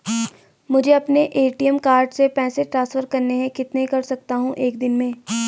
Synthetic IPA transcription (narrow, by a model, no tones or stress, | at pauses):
mʊd͡ʒʱeɐpneʔeːʈiəmkaːɾɖsepɛːseʈɾãːnsfəɾkɐɾneɦɛ̃kɪt̪neikɐɾsɐk̚t̪aɦũʔeːkd̪ɪnmẽː